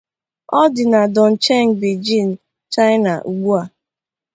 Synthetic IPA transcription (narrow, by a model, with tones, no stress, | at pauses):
ɔ˦dɪ˨na˨dɔ˨n̩˨t͡ʃe˦ŋ̩˨bi˨d͡ʒi˦˨n̩˨ | t͡ʃa˦ɪ˦na˨ʔu˨ɡ͡bu˦a˨